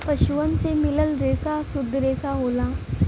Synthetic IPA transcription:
pəʃuən̆semɪləlɾeːsasʊd̪ʱːɾeːsaɦoːlaː

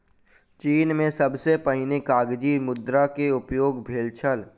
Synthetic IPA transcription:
t͡ʃiːnmẽsɐbsepəɦɪnekaːɡd͡ʒimʊd̪ɾakeʊpjoːɡbʱeːlt͡ʃʰəl

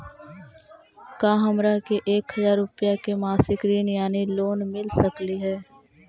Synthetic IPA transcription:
kãːɦɐmɾakeʔeːkhəzaːɾːʊpjakemaːsɪkɾiːnjaːniloːnmɪlsəkliɦɛː

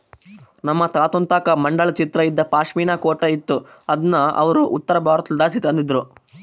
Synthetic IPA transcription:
nɐmːɐt̪aːt̪unt̪aːkɐmɐɳɖɐɭɐt͡ʃit̪ɾɐid̪ːɐpaːʂmiːɳaːkoːʈɐit̪ːu | ɐd̪ɐnːɐɐ̰ʋɐɾuʔut̪ːɐɾɐbʱaːɾɐt̪ɐld̪aːsit̪ɐnd̪id̪ɾu

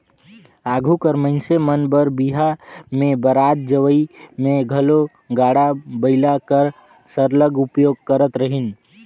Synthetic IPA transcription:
aːɡʱukəɾməɪnsemənbəɾbiɦamẽbəɾaːt̪̚d͡ʒəʋəimẽɡʱəlo | ɡaːɽabəɪlakəɾ | səɾləɡʊpjoːɡ̚kəɾət̪ɾəɦin

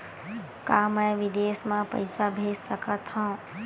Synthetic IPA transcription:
kamə̃ʋid̪eːsmãpə̰jsabʱessəkat̪hɔ̃ː

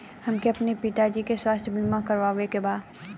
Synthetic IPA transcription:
hɐmkeɐpnepit̪ad͡ʒikeswaːst̪ʰbʱɪnmãkɐɾʋaːʋekebaːd̪

